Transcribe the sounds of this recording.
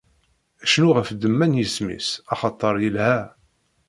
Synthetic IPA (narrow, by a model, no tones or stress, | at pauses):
æʃnuʁəfd̪əmːænjəsmḭsɑχɑt̪ˤːəɾˤjəlhæ